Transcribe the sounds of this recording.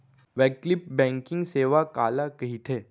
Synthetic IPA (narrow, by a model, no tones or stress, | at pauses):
ʋɛːklɪp̚bɛ̃ːŋkɪ̃ŋɡseːʋakaːlakɐɦit̪ʰeː